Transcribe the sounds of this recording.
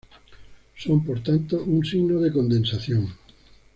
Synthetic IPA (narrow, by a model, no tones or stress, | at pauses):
sompoɾt̪ant̪oʔuŋsiɣnoðekond̪ensaθjoŋ